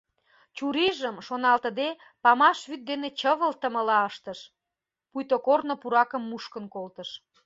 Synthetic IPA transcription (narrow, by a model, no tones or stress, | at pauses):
t͡ɕuɾiʒəmʃonɑlt̪əd̪e | pɑmɑʃβyt̪̚d̪enet͡ɕəβəlt̪əməlɑəʃt̪əʃ | pujt̪okornopuɾɑkəmːuʃkənkolt̪əʃ